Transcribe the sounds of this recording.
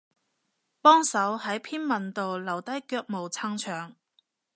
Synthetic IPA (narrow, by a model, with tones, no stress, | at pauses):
pɔː˥ŋsɐ˨˥whɐ˨˥jpʰiː˥nmɐ˨nt̪o˨wlɐ˨˩wt̪ɐ˥jkœː˧k̚mo˨wt͡sʰa˧˥ŋt͡ʃʰœː˨˩ŋ